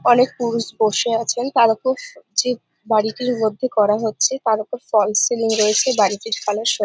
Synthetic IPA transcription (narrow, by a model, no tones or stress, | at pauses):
ɔnek̚puɾuʃboʃeat͡ɕʰent̪aɾɔpod͡ʑe | baɽiʈiɾmod̪ʱːekɔɾaɦotːɕʰet̪aɾɔpofɔlseliŋɾoet͡ɕʰebaɽiʈiɾfʰaleʃo